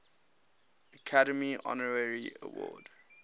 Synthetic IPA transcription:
əkʰaɾəmiɔ̰nəɹəɹiə̰wɔ̰ːd

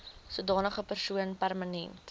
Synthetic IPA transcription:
suədɑːnəχəpərsuənpærmənɛnt

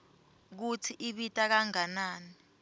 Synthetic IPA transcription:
k̬ut͡sʰiʔiɓitʼak̬aŋanaːni

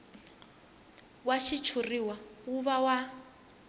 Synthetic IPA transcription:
waʃit͡ʃʰuriwauβawa

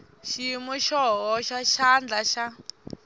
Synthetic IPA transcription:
ʃimuʃɔɦɔʃaʃand͡ɮaʃa

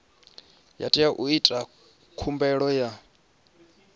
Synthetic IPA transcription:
ja̰tʼijaʔuitʼa | kʰumbɛɺɔja

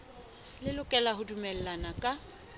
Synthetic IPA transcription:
lɪlʊkʼɛlaɦʊdumɛl̩lanakʼa

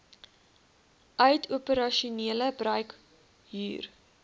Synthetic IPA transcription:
ʔœɥtʰuəpəɾɐʃuniələbrœɥk | ɦy̰ːr

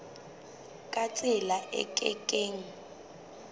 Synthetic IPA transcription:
kʼat͡sʼɪlaʔɛ̰kʼɛ̰kʼeːŋ̩

